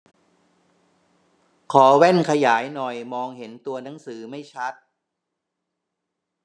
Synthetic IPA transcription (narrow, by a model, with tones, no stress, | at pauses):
kʰɔː˩˦wɛ˥˩nkʰa˧jaː˩˦jnɔ˨˩jmɔː˧ŋhe˩˦nt̪u˧ɐna˩˦ŋsɯː˩˦ma˥˩jt͡ɕʰa˦˥t̪̚